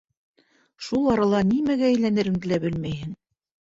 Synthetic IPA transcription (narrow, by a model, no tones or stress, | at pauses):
ʃulˠɑɾɑlˠɑnimæɡæːjlænɘ̆ɾɘ̆ŋd̪ɘ̆læbɘlmæjhɘŋ